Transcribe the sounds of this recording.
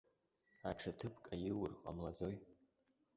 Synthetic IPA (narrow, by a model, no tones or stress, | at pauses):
aʈ͡ʂʰatʰɨpʰkʼajɪwɨrqʼa̰mlad͡zoj